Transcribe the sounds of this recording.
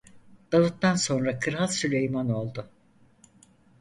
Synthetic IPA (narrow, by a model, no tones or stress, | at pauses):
d̪̥avut̪ːanso̞nɾakʰɯɾɦalsylʲejmano̞lˠd̪ʊ